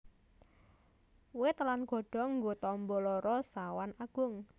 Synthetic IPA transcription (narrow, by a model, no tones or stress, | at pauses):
wɪt̪lanɡ̥ɔ̤ɖ̥ɔ̤ŋɡot̪ɔmbɔlɔɾɔsawanaɡ̥ʊŋ